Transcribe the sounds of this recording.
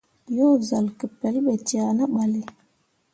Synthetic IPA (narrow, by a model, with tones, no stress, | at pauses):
jo˦za˨lkə˨pe˨˦lɓe˨ti˨a˨nə˦ɓa˨li˨